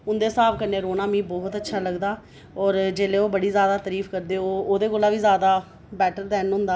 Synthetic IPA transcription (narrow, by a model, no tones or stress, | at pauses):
ʊnd̪eːsaːbkəɾneːɾoːnãːmĩːbɔːɦt̪ətːʃʰaːləɡd̪aː | ɔːɾd͡ʒeːleːoːbəɽiːzjaːd̪aːt̪əɾiːfkəɾd̪eːoːoːd̪eːkʊlːãːʋiːzjaːd̪aː | bɛːʈəɾd̪ɛːnɦʊ̃nd̪aː